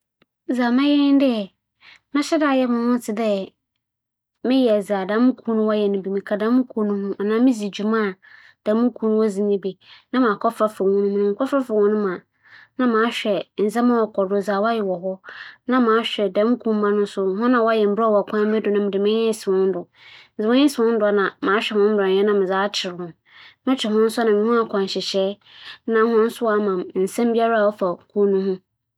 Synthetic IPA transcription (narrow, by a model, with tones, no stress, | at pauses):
zaː˨mã˦jɛ˦n˦dɪ˦ɛ˨ | mã˦ɕɛ˦daː˨jɛ˦mʊ̃˨hʊ̃˦tʰɪ˨dɛ˦ | mɪ̃˦jɛ˨æ˨za˨dã˦mʊ̃˦kʰu˦nʊ̃˦wa˦jɛ˨nʊ̃˨bi˨mĩ˨kʰa˨dã˦mʊ̃˦kʰu˦nʊ̃˦hʊ̃˦ʔa˨nã˦mɪ̃˦d͡zi˨d͡ʑu˨mã˦˨ | d̥ã˨˦mũ˦kʰu˦nʊ̃˦wɔ˦zĩ˦nĩ˦bi˨nã˦mã˨kʰɔ˦fɾa˦fɪ˨wʊ̃˦nʊ̃˦m̃˨nʊ̃˨m̩˨kʰɔ˦fɾa˦fɪ˨wʊ̃˦nʊ̃˦mã˨ | nã˦mãː˨˦ɕᶣɛ˨n̩˨zɛ˦mã˦wɔ˨kʰɔ˨dʊ˨zaː˨wa˦jɛ˨wɔ˨ɦɔ˦nã˦mã˨˦ɕᶣɛ˨dɛ̃˨˦m˦kʰũ˦m̩˦mã˦nʊ̃˦sʊ˦ɦʊ̃˦nã˨wɔ˦jɛ˨m̩˨bɾɔ˦˨wɔ˨kʷʰã˦m˦bɛ˦dʊ˨nʊ̃˦mɪ̃˨dɪ˨mɪ̃˦ɛ̃˦sɪ˨wʊ̃˦n̩˦dʊ˨ | n̩˨zɛ˨ʊ̃˦ɪ̃˦sɪ˨ʊ̃˦n̩˦dʊ˨a˨nã˨mãː˨˦ɕᶣɛ˨hʊ̃˦m̩˦bʊ˨a˨ɛ˦nã˦mɪ̃˨zaː˦t͡ɕʰɪ˨ɾʊ̃˨ | mɪ̃˦t͡ɕʰᶣɪ˨ɦʊ̃˦n̩˦sʊ˦nã˨mĩ˨˦hũ˦a˨kʰɔ̃˨n˨ɕɪ˨ɕɛː˦ | nã˨˦hʊ̃˦n̩˦sʊ˦wa˨mã˨m˨n̩˨sɛ̃˦m˦bi˦a˦ɾa˦˨wɔ˦fa˨kʰu˦nũ˦hʊ̃˦